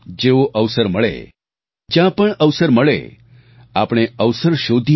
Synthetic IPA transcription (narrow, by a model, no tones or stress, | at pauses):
d͡ʒeʋoʔəʋsəɾməɭḛ | d͡ʒjãpəɳəʋsəɾməɭḛ | apɽ̃eəʋsəɾʃod̪ʱi